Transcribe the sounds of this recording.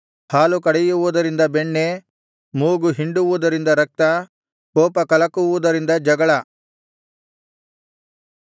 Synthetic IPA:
haːlukɐɽɛjuʋud̪ɐɾind̪ɐbeɳːe | muːɡuɦiɳɖuʋud̪ɐɾind̪ɐɾɐk̚t̪ɐ | koːpɐkɐlɐkuʋud̪ɐɾind̪ɐd͡ʒɐɡɐɭɐ

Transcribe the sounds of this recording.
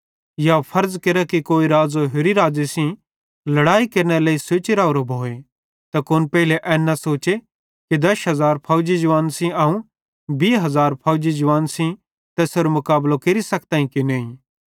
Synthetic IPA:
japʰɐɾzkeɾakikoːiɾaːd͡zoɦʊɾiɾaːd͡zesĩ | lɐɽaːikɐɾñeleːiseːt͡ʃeɾaːoɾobʱoːe | t̪ɐkʊnpɛɦɪleʔɛːnːɐsoːt͡ʃe | kid̪ɐʃɦɐzaːɾpʰaːd͡ʒid͡ʒʊʋaːnsĩaːũ | biːɦɐzaːɾpʰaːʊd͡ʒid͡ʒʊʋaːnsĩ | t̪ɛːsoɾomʊkaːblokeɾisɐkt̪aːĩkineːĩ

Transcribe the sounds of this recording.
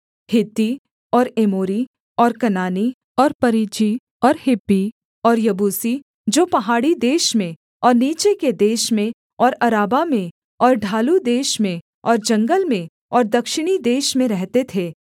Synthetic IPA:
hɪt̪ːi | ɔːɾeːmoːɾi | ɔːɾkɐnaːni | ɔːɾpɐɾiːt͡ʃi | ɔːɾhɪpːi | ɔːɾjɐbuːsi | d͡ʒoːpɐɦaːɽid̪eːʃmẽ | ɔːɾniːt͡ʃeked̪eːʃmẽ | ɔːɾɐɾaːbamẽ | ɔːɾɖʱaːlud̪eːʃmẽ | ɔːɾd͡ʒɐ̃ŋɡəlmẽ | ɔːɾd̪ɐkʃɪɽ̃id̪eːʃmẽɾɛɦt̪et̪ʰeː

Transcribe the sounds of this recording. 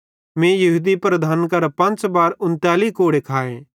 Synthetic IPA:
mẽːjɐɦuːd̪ipɾɐd̪ʱaːnkɐɾpɐ̃nt͡ʃbaːɾʊ̃nt̪jaːlikoːɽekʰaːeː

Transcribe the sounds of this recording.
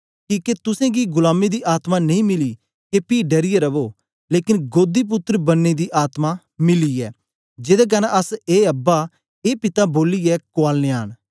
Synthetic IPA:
kiːket̪ʊsẽːɡiɡʊlaːmed̪iːʔaːt̪maːnɐĩːmɪliː | kepiːɖɐɾijeɾɐboː | leːkɪnɡoːd̪iːp̬ʊt̪ːɾbɐnːed̪iːʔaːt̪maː | mɪliːɛ̰ː | d͡ʒɪd̪akɐnaʔɐseːɐbːa | eːpɪt̪aːboːliɛkʊaːlneaːn

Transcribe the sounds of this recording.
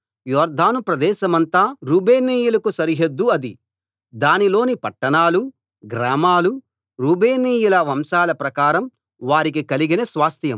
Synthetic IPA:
jɔːɾd̪ʱaːnupɾɐd̪ɛːʃɐmɐnt̪aːɾuːbʱeːniːjulɐkusɐɾiɦed̪ːuɐd̪i | d̪aːnilo̞ːnipɐʈːɐɳaːlu | ɡɾaːmaːlu | ɾuːbeːniːjulɐʋɐmsaːlɐpɾɐkaːɾɐm | ʋaːɾik̬ikɐliɡinesʋaːst̪jɐm

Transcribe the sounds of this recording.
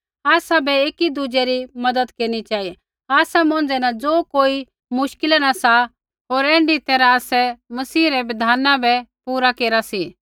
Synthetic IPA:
aːsabɛeːkid̪ud͡ʒɛɾimɐd̪əd̪keːɾnit͡ʃaːi | aːsamõːnd͡zɛnad͡zoːkoːi | mʊʃkɪlɛnasa | ɦoːɾɛ̃ːɳɖit̪ɛːɾaaːsɛmɐsiːɾɛʋɪd̪ʱaːnãbɛpuːɾakeːɾasiː

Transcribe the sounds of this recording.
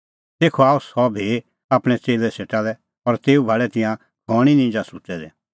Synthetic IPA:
t̪eːkʰɔaːusɔbʱi | aːpɽ̃ɛt͡seːlɛseːʈalɛ | ɔɾt̪eːubʱaɭɛt̪ɪjã | ɡ̥ʱɔɽ̃inĩːd͡ʒasut͡sɛd̪ɛ

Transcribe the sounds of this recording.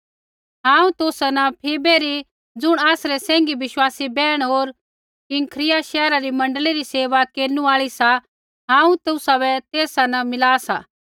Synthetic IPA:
ɦãːũt̪ʊːsanɐpʰeːbeɾi | d͡zʊɽ̃aːsɾɛsɛ̃ːŋɡiʋɪʃwaːsibɛːɽ̃ɦoːɾ | kɪŋkʰɾɪjaʃɛːɾaɾimɐ̃ɳɖəliɾiseːʋakeːnũaːɭisa | ɦãːũt̪ʊsabɛt̪eːsanɐmɪlaːsaː

